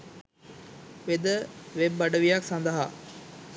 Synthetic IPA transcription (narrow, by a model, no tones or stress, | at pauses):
ʋed̪əʋebːɐɖəʋijaksand̪əɦa